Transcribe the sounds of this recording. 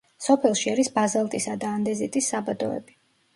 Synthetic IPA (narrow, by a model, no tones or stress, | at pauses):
sɔpʰɛlˠʃiaɾisbazalˠt̪ʼisad̪aːnd̪ɛzit̪ʼisːabad̪ɔɛ̰bi